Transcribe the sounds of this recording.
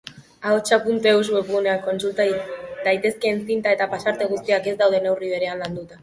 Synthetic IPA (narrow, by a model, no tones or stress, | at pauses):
aot͡ʃapunt̪euswepɣuneako̞nsult̪ad̪ajt̪e̞ske̞ːnsint̪ae̞t̪apasaɾt̪e̞ɣ̞ust̪iake̞zd̪awð̞e̞ne̞wriβ̞e̞ɾe̞anland̪ut̪a